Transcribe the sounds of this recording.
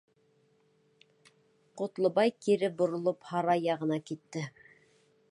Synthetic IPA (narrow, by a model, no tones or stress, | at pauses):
qŏt̪lˠɤ̆bɑjkiɾɘbŏɾŏlˠophɑɾɑjɑʁɤ̆nɑkit̪ːɘ